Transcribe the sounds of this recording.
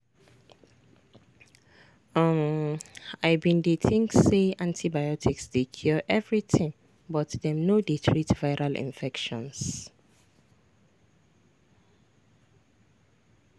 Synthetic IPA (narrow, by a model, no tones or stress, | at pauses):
m | aɪbĩndetʰĩŋseãntʰibajɔtʰiksdekʰjɔʔɛvɹitʰĩŋ | bɔtdɛmnodetʰɹitvaɪɹalḭ̃nfɛkʃɔ̃ns